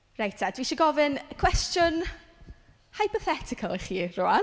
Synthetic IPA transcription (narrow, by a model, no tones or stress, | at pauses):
rajtʰad̥wiʃəɡɔvɨnəkʰw̥ɛstjʊn | hajpɔθɛtʰɪkʰəlˠχiːrʊa